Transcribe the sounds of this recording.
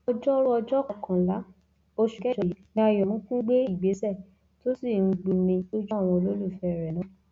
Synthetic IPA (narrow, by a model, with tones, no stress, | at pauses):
ɔ˧d͡ʒɔ˦ɾɔ˦ɔ˧d͡ʒɔ˦kɔ̃˨kʰã˨la˨˦ | o˧ʃu˨kɛ˦ʃɛ˨i˨˦nĩ˧˦a˧˨jɔ˨mũ˦kũ˦ɡ͡be˦i˦˨ɡ͡be˨˦sɛ˦˨ | to˦si˦˨ŋ̩˧˦ɡ͡bu˨˧nĩ˧o˦d͡ʒɔ˦a˦˨w̃ɔ̃˧o˧lo˦lu˦˨fɛ˧˨ɾɛ˨nã˨˦